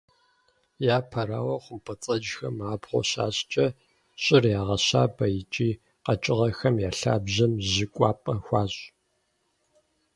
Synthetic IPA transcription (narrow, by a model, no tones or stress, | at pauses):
jaːpʰɐɾaːwɐχʷʊmpʰɐt͡sʼɐd͡ʒxɐmaːbʁʷɔ̰ɕa̰ːɕʼt͡ʃʼɐ | ɕʼɪrjaːʁɐɕaːbɐjɪt͡ʃʼiː | qɐt͡ʃʼɪʁɐxɐmjaːɬa̰ːbʑɐmʑɪkʷʼɑːpʼɐxʷɑːɕʼ